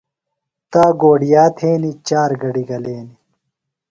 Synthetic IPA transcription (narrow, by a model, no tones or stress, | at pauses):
t̪aːɡoːɽijaːt̪ʰeːnit͡ɕaːɾɡɐɽiɡɐleːni